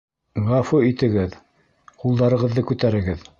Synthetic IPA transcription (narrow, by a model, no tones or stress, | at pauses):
ʁɑfoit̪ɘ̆ɡɘð | qulˠd̪ɑɾɤ̆ʁɤ̆ðːɤkʉt̪æɾɘ̆ɡɘð